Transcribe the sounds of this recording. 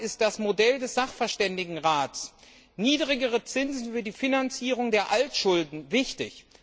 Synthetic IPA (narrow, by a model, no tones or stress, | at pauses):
ɪst̚d̥asmodɛldɛsz̥aχfɛɐʃtɛndɪɡŋ̩ʁaːts | niːdʁɪɡəʁət͡sɪnzn̩fyːɐdiːfinant͡siːʁ̞ʊŋdeːɐʔaltʃʊldn̩vɪçtɪç